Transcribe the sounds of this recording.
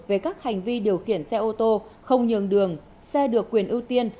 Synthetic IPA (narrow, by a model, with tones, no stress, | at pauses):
ve˨˩kaː˦˥k̚ha˨˩jŋ̟vi˧ɗi˨˩əwxḭ˧˨ənsɛ˧ʔo˧t̪o˧xə˧wŋ͡mɲɨ˨˩ŋɗɨ˨˩əŋ | sɛ˧ɗɨ˨˩əkːwi˨˩ənʔɨ˧wt̪i˧ən